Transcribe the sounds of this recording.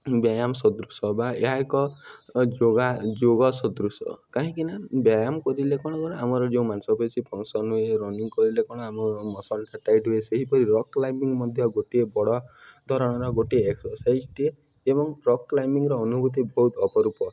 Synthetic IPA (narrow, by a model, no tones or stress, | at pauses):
bjajamsɔd̪ɾusɔbaeɦaekɔd͡ʒoɡad͡ʒoɡɔsɔd̪ɾusɔ̰kaɦĩkinabjajamɔkɔɾilekɔɽ̃ɔkɔɾɔamɔɾɔd͡ʒeũmansɔbet͡ʃʰipʰɔŋsɔnɦueɾɔniŋkɔɾilekɔɽ̃ɔamɔɾɔmɔsɔnʈʰaʈajʈɦueseɦipɔɾiɾɔkːlajmiŋmɔd̪ʱjɔɡoʈiebɔɽɔd̪ʱɔɾɔɽ̃ɔɾɔɡoʈieeksɔɾsajd͡ʒʈie | ebɔŋɾɔkːlajmiŋɾɔːnubʱut̪ibɔɦut̪ʰɔpɔɾupɔ